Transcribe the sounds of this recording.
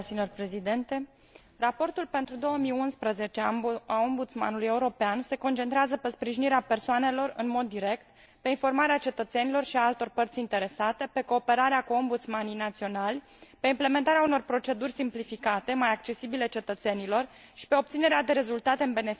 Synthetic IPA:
sinorpɾe̞zid̪ent̪e̞ | rapo̞rt̪ulpe̞nt̪ɾud̪o̞wəmijunspɾəze̞t͡ʃeaao̞mbut̪sma̰nuluje̞uɾo̞peanse̞ko̞nt͡ʃe̞nt̪ɾeazəpe̞spɾiʒiniɾeape̞rsoane̞lo̞rɨ̰nmo̞d̪ːiɾe̞kt̪ | pe̞info̞rmaɾeat͡ʃe̞t̪ət̪se̞nilo̞rʃiaalt̪o̞rpərt̪sʲint̪e̞ɾe̞sat̪e̞pe̞ko̞ːpe̞ɾaɾeakuo̞mbut̪smanijnat̪sio̞nalʲ | pe̞imple̞me̞nt̪aɾeauno̞rpɾo̞t͡ʃe̞d̪urʲsimplifikat̪e̞majak̚t͡ʃe̞sibile̞t͡ʃe̞t̪ət̪se̞nilo̞r | ʃi̥pe̞o̞p̚t̪sine̞ɾead̪e̞ɾe̞zult̪at̪eɨnbe̞nef

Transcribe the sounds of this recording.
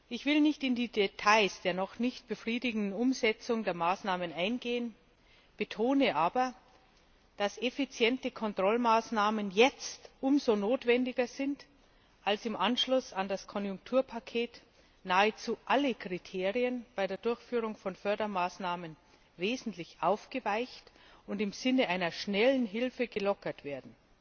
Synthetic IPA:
ʔɪçv̥ɪlnɪçtɪndiːdetʰaɪsd̥eːɐnɔχnɪçt̚b̥əfʁ̥iːdɪɡŋ̩dn̩ʊmzɛt͡sʊŋdeːɐmaːsnaːmənaɪnɡeːən | b̥ətʰoːnəʔaːbɐ | d̥asefit͡sjɛntəkʰɔntʁ̥ɔlmaːsnaːmənjɛt͡stʔʊmzonoːtv̥ɛndɪɡɐzɪnt | ʔalsɪmʔanʃlʊsandaskʰɔnjʊŋk̚tʰuːɐpʰakʰeːt | naːət͡suːʔaləkʁ̥itʰeːʁiənb̥aɪdeːɐdʊɐçfyːʁʊŋfɔnfœɐdɐmaːsnaːmən | veːzn̩tʰlɪçʔaʊfɡ̥əvaɪçtʊntɪmz̥ɪnəʔaɪnɐʃnɛlən̩ɦɪlfəɡəlɔkɐtv̥eːɐdn̩

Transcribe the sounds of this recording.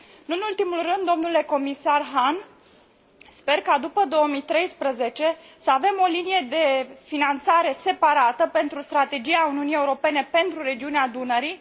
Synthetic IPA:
ɨnult̪imulrɨnd̪ːo̞mnule̞ko̞misarɦan | spe̞rkad̪upəd̪o̞omijt̪ɾe̞jspɾəze̞t͡ʃe̞ | səave̞mo̞linije̞d̪e̞finant̪saɾe̞se̞paɾat̪əpe̞nt̪ɾust̪ɾat̪e̞d͡ʒijauniunijeuɾo̞pe̞ne̞pe̞nt̪ɾuɾe̞d͡ʒiunead̪unəɾi

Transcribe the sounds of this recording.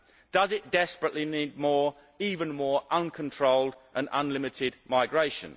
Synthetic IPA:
d̥ʌzɪʔd̥ɛspɹəʔliniːd̚mɔːɹ | iːvə̃nmɔːɹʔʌ̃nkʰə̃ntʰɹ̥oʊlˠdʔə̃nʌ̃nlɪmɪtʰɪdmaɪɡɹeɪʃə̰̃n

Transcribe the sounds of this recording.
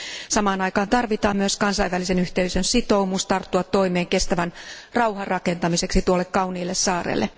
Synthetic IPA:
sɑmɑːnɑjkɑːnt̪ɑrʋit̪ɑːmmyøskɑnsɑiʋælise̞nyht̪eysønsit̪o̞wmust̪ɑrt̪ːuɑt̪ːo̞imeːŋke̞st̪æʋænrɑwɦɑrɑke̞nt̪ɑmise̞ksit̪uolːekkɑwniːlːessɑːrḛːlːḛ

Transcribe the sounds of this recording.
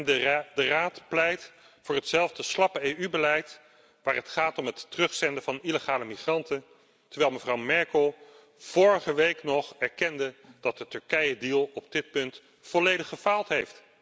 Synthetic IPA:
ndəraːtplɛjt | fʊːɹɦətsɛlˠvdəslɑpəejybəlɛjt | ʋaːɹɦətχaːtɔmətːərɵχsɛndəvɑniləχaːləmiχrɑntən | təɹʋɛlˠməvrɑwmɛɹkəlˠ | v̥ʊːɹəχəʋejknɔχɛɹkɛndəd̥ɑt̚dətɵɹkɛjədilˠɔb̚d̥ɪt̚pɵnt | fɔlejdəχəfaːlˠtɦejft

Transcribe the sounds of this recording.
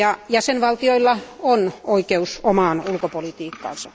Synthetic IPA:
ɑjæsenʋɑlt̪ioilːɑonoikeusomɑːˑnulkopolit̪iːkːɑ̰ːˑnsɑ

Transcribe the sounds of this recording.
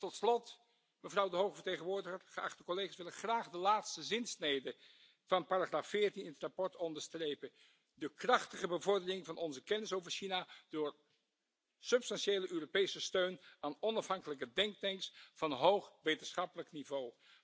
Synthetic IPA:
tɔtslɔt | məvrʌwdəɦowχəvəɹtejχənʋʊːɹdəχərχəɑ̰χtəkɔlejχaːsʋɪlənχraːχdəlaːtstəzɪnsnejdə | v̥ɑnpaːraχraːfːɪːɹtinɪnətrapɔɹtɔndəɹstrejpə | dəkrɑχtəχəbəvɔɹdərɪŋvɑnɔnzəkɛnɪsowvəɹʃinad̥ʊːɹ | sɵpstɑnʃejləʔøːropejsəstøɥnaːnɔnɑfɦɑŋkələkədɛŋk̚tɛŋksfɑnɦowχʋejtənsχɑpələknivow

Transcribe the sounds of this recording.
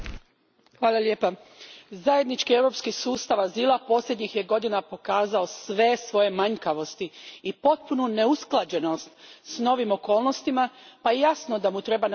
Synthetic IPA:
xʋaːlˠalje̞ːpa | zaje̞d̪nit͡ʃkie̞ʋɾo̞pskisuːst̪aʋazilˠapo̞slʲed̪ɲixje̞ɡo̞d̪inapo̞kaːzao̞sʋe̞sʋo̞je̞maɲkaʋo̞st̪iipo̞t̪̚punune̞usklˠad͡ʑe̞no̞st̪sno̞ʋimo̞ko̞ːlˠno̞st̪imapajejasnod̪amut̪ɾe̞ban

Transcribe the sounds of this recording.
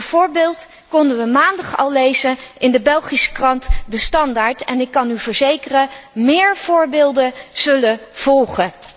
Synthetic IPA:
v̥ʊːɹbɪːlˠt | kɔndəʋəmaːndɑχɑ̰lˠlejzənɪndəbɛlˠχisə̥krɑntdəstɑndaːɹtɛnɪkːɑnyvəɹzejkərəmɪːɹv̥ʊːɹbɪːlˠdəz̥ɵləv̥ɔlˠχə

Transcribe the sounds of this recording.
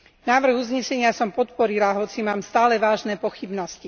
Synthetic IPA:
naːʋr̩ɣuzɲɛsɛɲɪasɔmpɔt̪pɔɾilaɦɔt͡simaːmst̪aːlɛʋaːʒnɛːpɔxibnɔsci

